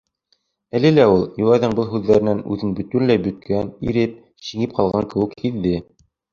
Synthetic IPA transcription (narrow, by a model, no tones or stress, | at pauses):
ælɘlæulˠjulˠɑðɤɴbɤlˠɦʉðːæɾɘ̆nænʉðɘnbɵ̆t̪ynlæjbɵ̆t̪̚kʰænḭɾɘp̚ | ɕiŋɘp̚qʰɑlˠʁɑŋkɘ̆wɘkhiðːɘ